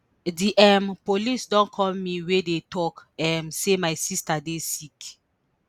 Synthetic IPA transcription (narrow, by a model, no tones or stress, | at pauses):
diʔɛmpolisdɔ̃nkʰɔ̃mmiwedetɔkɛmsemajsistadesik